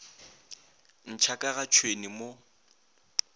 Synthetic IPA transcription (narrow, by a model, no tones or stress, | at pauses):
n̩t͡ʃʰakʼaɣat͡ʃʰwenimo